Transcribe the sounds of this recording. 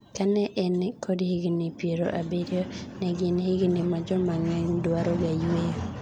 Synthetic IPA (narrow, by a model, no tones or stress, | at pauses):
kanɛʔɛnkʰodhɪɡnɪpjeɾo̰ʔabedonɛɡɪnhɪɡnɪmad͡ʒɔmaŋɛŋdwaɾoɡajwejo